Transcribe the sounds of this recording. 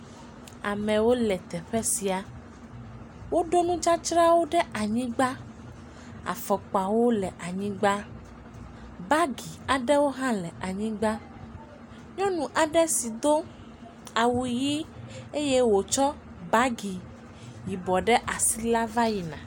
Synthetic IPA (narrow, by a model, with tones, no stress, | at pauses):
a̰˨mɛ̃˨wo˦lɛ˨t̪ɛ˨ɸɛ˦si˨a˨ | wo˦ɖo˦nũ˦d͡ʒa˦t͡ʃɾa˦wo˦ɖɛ˦ʔa˨ɲĩ˦ɡ͡ba˦ | a̰˨fɔ˨k͡pa˨wo˦lɛ˨ʔa˨ɲĩ˦ɡ͡ba˦ | ba˦ɡi˨a˨ɖɛ˦wo˦ɦã˦lɛ˨ʔa˨ɲĩ˦ɡ͡ba˦ | ɲɔ̃˦nũ˨ʔa˨ɖɛ˦si˨d̪o˦ | a˨wu˨ji˦e˦je˦wo˨t͡ʃɔ˦ | ba˦ɡi˨ | ji˨bɔ˨ɖɛ˦ʔa˨si˦la˦va˦ji˨nã̰˨